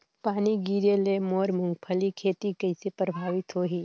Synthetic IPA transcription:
paːniɡiːɾjəlemoːɾmʊ̃ŋɡpʰəlikʰeːt̪ikɐɪsepɾəbʱaːʋɪt̪ɦoːɦiː

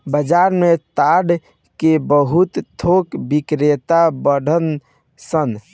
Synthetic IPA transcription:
bəd͡ʒaɾmet̪aɖ | kebəɦut̪t̪ʰokbikɾet̪abəɖən | sən

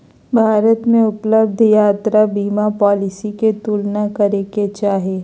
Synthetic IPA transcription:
bʱaːɾət̪mẽʊpləbd̪ʱjaːt̪ɾabiːmapɔːlɪsiket̪uːlnakɐɾeket͡ʃaːɦeː

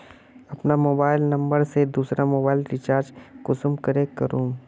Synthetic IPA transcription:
ɐpnamoːbaːɪlnɐ̃mbəɾsed̪uːsɾamoːbaːɪlɾɪt͡ʃaːɾd͡ʒkʊsʊmkɐɾekɐɾũː

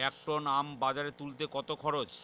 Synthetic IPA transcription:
ɛk̚ʈonambad͡ʑaɾet̪ult̪ekɔt̪okʰɔɾot͡ɕ

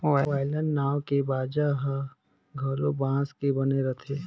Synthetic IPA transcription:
aʋaːɪlənːaːʋkebaːd͡ʒaɦa | ɡʱɐɾobãːskebɐneɾɐt̪ʰeː

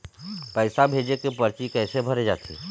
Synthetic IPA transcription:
pɛːsabʱeːd͡ʒekepɐɾt͡ʃikɛːsebʱəɾed͡ʒa̰ːt̪ʰḭ

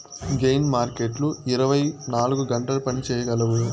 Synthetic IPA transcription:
ɡejnmaːɾkeʈluiɾɐʋɐjnaːluɡuɡɐɳʈɐlɐpɐnit͡ʃɛːjɐɡɐlɐʋu

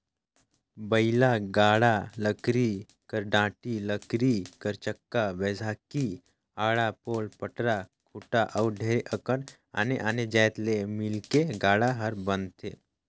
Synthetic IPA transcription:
bəɪlaɡaːɽaləkɾi | kəɾɖãːʈiləkɾikəɾt͡ʃəkːaʋeːzʱaːki | aːɽapoːlpəʈɾakʰuʈaʔəwɖʱeːɾeʔəkəɽ | a̰ːneʔaːned͡ʒaːjt̪lemɪlkeɡaːɽaɦəɾbə̃nt̪ʰḛː

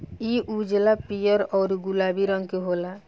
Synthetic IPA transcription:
iʔud͡ʒlapijəɾɔːɾɡulabiɾəŋɡkeɦola

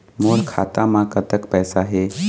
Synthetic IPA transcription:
moɭkʰat̪amakət̪əkpəjsaɦe

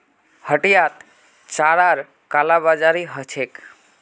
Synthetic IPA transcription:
həʈijat̪ | t͡ʃaɾaɾ | kalabad͡ʒaɾiɦət͡ʃʰek

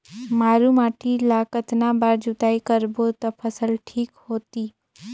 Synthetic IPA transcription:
maːɾumaːʈʰilaːkət̪nabaːɾd͡ʒʊt̪aːikəɾbot̪ɐpʰəsəlʈʰiːkhoːt̪iː

